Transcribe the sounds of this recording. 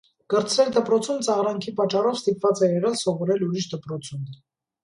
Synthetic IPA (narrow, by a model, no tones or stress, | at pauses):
ɡ̥əɾt͡sʰɾɛld̪əpɾɔt͡sʰumt͡sɑʁɾɑŋkʰipɑt͡ʃːɑrɔvst̪ipvɑt͡sɛɛʁɑlsɔvɔɾɛluɾiʃd̪əpɾɔt͡sʰum